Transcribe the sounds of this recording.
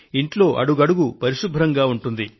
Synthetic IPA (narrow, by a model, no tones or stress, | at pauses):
iɳʈlo̞ːʔɐ̰ɽuɡɐɽuɡupɐɾiʂubʱɾɐŋɡaːuɳʈund̪i